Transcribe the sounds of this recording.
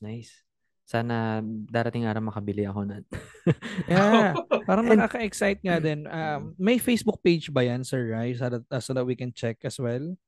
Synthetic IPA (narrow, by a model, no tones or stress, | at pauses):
najsː | aːnɐd̪aːɾɐt̪ɪŋʔaːɾɐwmɐkɐbɪlɪɐko̞nɐt̪ | japaːɾɐŋnɐkaːkɐʔɛksajt̪̚ŋad̪ɛnʔammɐjfejsbʊk̚pejd͡ʒbɐjansɛɹɹajsɐd̪ɐsod̪ɐt̪̚wikɛnt͡ʃɛkɐswɛl